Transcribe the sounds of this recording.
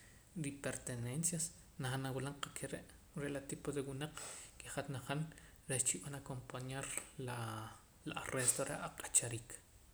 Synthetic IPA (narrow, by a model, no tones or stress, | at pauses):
ɾipeɾt̪enensjas | naχanawilaɴqakʰeɾeʔ | ɾelat̪ipod̪ewunaq͡χkeχat̪naχan | ɾeʃt͡ʃiɓanakompaɲaɾla | laarest̪oɾʔeʔaqʼḁt͡ʃaɾiːk